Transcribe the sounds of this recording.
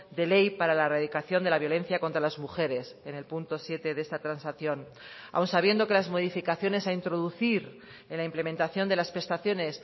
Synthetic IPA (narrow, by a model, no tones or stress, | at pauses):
d̪e̞le̞jpaɾalaraðikaθjo̞nd̪e̞laβjo̞le̞n̟θjakont̪ɾalazmuxe̞ɾe̞se̞ne̞lpunt̪o̞sje̞t̪e̞ðest̪at̪ɾansaθjo̞n | a̰wnsaβ̞je̞nd̪o̞ke̞lazmo̞ð̞ifikaθjo̞ne̞saint̪ɾo̞ðuθiɾ | e̞nlaimple̞ment̪aθjo̞nd̪e̞laspɾe̞st̪aθjo̞ne̞s